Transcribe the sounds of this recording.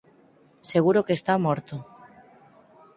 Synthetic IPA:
seɣuɾokest̪amoɾt̪o

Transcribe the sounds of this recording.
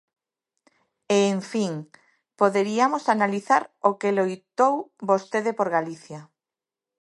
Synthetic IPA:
eːɱfiŋ | poðeɾiamosanaliθaɾokelojt̪owbost̪eðepoɾɣaliθja

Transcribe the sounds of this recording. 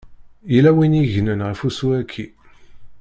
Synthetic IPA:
jilæwiniʝnənʁəfusuækʰːi

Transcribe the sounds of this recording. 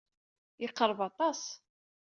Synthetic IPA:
jɪqːəɾˤəvɑt̪ˤɑs

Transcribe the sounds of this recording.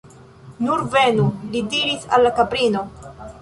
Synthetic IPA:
nuɾve̞nulidiɾisa̰lːakabɾino̞

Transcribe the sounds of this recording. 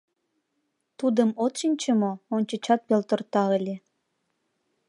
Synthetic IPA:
t̪ud̪əmot̪ʃinʲt͡ɕəmoonʲt͡ɕə̆t͡ɕɑt̪̚pelt̪ort̪ɑəlʲe

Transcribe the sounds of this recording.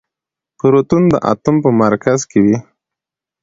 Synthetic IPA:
pəɾot̪und̪ə̰ʔa̰t̪umpəmaɾkazkewi

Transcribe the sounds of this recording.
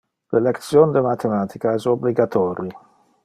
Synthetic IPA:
lelekt̪sjoːnd̪emat̪ʰemaːt̪ʰikaɛsobliɡat̪ʰɔːɾi

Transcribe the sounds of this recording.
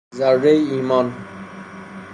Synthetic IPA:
zaɾːejiːmɔn

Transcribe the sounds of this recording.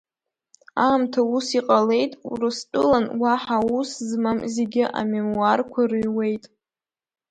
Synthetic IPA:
aːmtʰausiqʼale̞jtʼṵrɨstʼɨlanwaħauszmamze̞ɡʲɪʔa̰memuarkʷʰarɥwe̞jtʼ

